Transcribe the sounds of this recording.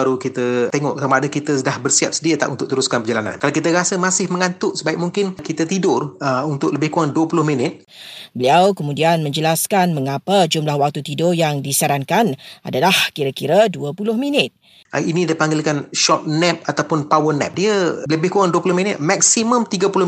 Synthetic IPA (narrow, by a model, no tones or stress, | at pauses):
aɾukit̪ət̪eŋɔ̰ʔktamaadakit̪əsədahbərsiap̚sədiət̪a̰ʔunt̪ʊkʔ̚t̪əɾuskanpəd͡ʒalana̰nkalakit̪əɾasəmasɪhməŋant̪ʊʔsəbaɪk̚muŋkɪnkit̪ət̪idʊrəunt̪ʊk̚ləbɪhkuŋaŋduəpulʊhminɪt̪̚ | bəliawkəmudianmə̃ɲd͡ʒəlaskanməŋapəd͡ʒumlahwak̚t̪ut̪idʊrjaŋdisaɾaŋkana̰dalahkiɾakiɾaduəpulʊhminɪt̪̚ | ʔinĩdaipaŋɡɪlkanʃɔt̪̚nɛp̚at̪awpʊnpawərnɛ̰p̚diələbɪhkuŋaŋduəpulʊhminɪt̪̚mak̚siməmt̪iɡəpulʊ